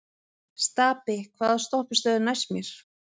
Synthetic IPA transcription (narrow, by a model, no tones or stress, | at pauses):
st̪aːpɪkʰvaːðast̪ɔhpɪst̪œːðɪnajsmjɛɾ̥